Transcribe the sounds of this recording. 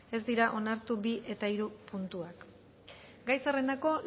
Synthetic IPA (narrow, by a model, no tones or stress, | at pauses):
e̞zd̪iɾaʔo̞naɾt̪ubiʔe̞t̪aiɾupunt̪uak | ɡajsare̞nako̞